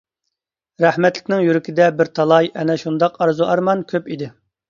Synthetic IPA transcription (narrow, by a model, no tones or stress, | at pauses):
ɾæhmɛt̪lɪkʲnɪŋjyɾɪkʲʰɪd̪ɛbɪɾt̪ʰɑlˠɑjʔɛnɛʃund̪ɑqɑɾzuʔɑɾmɑnkʲʰøpid̪ɪ